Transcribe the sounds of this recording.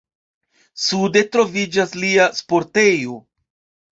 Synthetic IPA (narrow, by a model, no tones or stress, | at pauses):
sude̞tɾo̞vid͡ʒasliaspo̞ɾte̞jo